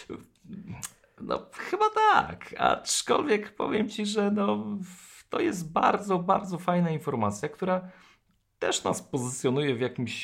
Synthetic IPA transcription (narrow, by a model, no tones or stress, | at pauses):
nɔ̰xɘbat̪aka̰t͡ʂkɔ̰lvʲjɛkpɔ̰vʲjɛmt͡ɕiʐɛnɔ | t̪ɔjɛst̪̚baɾd̪zɔbaɾd̪zɔfajnainfɔɾmat̪sʲjakt̪uɾa | t̪ɛʂna̰spɔzɘt̪sʲjɔnujɛvʲjakʲimɕ